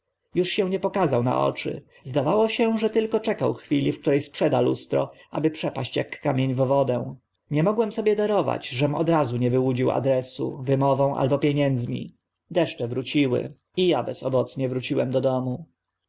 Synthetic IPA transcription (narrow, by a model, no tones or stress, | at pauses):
juʂɕɛ̃w̃ɲɛpɔkazawna̰ʔɔ̰t͡ʂɘ̰ | zd̪avawɔɕɛʐɛt̪ɘlkɔt͡ʂɛkawxfʲilʲifk̚t̪uɾɛjspʂɛd̪alṵst̪ɾɔ̰ʔabɘpʂɛpaɕt͡ɕjakːamʲjeɲvvɔd̪ɛ̃ | ɲɛmɔɡwɛmsɔbʲjɛd̪aɾɔva̰t͡ɕʐɛmɔ̰d̪ɾazuɲɛvɘwud͡ʑiwa̰d̪ɾɛsṵvɘmɔvɔ̃w̃ʔa̰lbɔpʲjeɲɛnd̪zmʲḭ | d̪ɛʂt͡ʂɛvɾut͡ɕiwɘ̰ | ijabɛsɔbɔt̪sɲɛvɾut͡ɕiwɛmd̪ɔd̪ɔmu